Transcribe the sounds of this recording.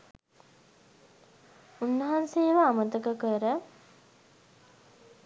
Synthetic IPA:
unːəɦanseːʋəamət̪əkəkəɾə

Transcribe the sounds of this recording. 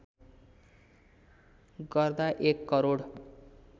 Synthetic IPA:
ɡʌrd̪aʔekːʌɾoɽ

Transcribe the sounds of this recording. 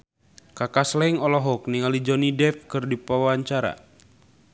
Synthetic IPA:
kakaslɛŋɔlɔɦɔk̚niŋalid͡ʒɔnidɛfkɨrdipawaɲt͡ʃaɾa̰

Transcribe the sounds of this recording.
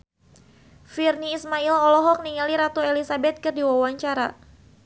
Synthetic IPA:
firniːsmailɔlɔɦɔk̚niŋaliɾat̪oelisabɛt̪̚kɨrdiwawaɲt͡ʃaɾa

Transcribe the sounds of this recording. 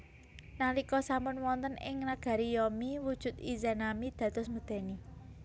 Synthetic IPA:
nalikɔsampʊnwɔnt̪ənɪ̰ŋnaɡ̥a̤ɾijɔmiwud̥ʒ̥ṳt̪izanamid̪̥ä̤t̪ʊsmud̪̥e̤ni

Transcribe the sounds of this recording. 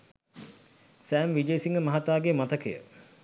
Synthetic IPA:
sæːmʋid͡ʒəjsiŋɡəmɐɦat̪aːɡemat̪əkəjə̰

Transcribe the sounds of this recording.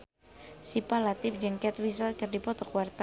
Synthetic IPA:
sipalat̪ɪp̚d͡ʒəŋkɛt̪wis̬alkɨrdipɔt̪ɔkuwart̪a

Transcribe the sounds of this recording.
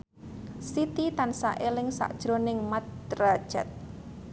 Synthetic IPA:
sit̪it̪ansaʔelɪŋsa̰ʔd̥ʒ̥ɾonɪŋmat̪̚ːrḁʒ̥ɛ̰t̪̚

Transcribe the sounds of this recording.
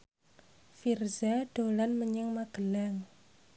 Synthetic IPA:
firzaɖ̥o̤lanməɲəŋmaɡ̥əlaŋ

